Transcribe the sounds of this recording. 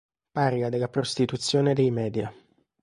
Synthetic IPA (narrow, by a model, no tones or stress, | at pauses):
paːɾiad̪elːapɾost̪it̪ut̪sːjoːned̪ejmɛːd̪ja